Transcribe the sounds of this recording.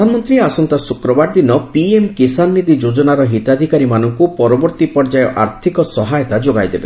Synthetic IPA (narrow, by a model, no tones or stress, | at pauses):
anmɔnt̪ɾiasɔnt̪asukɾɔbaɾd̪inɔpiemkisanːid̪id͡ʒod͡ʒɔnaɾɔɦit̪ad̪ʱikaɾimanɔŋkupɔɾɔbɔɾt̪ipɔɾd͡ʒajɔʔa̰ɾt̪ʰikɔsɔɦajɔt̪ad͡ʒoɡajd̪ebe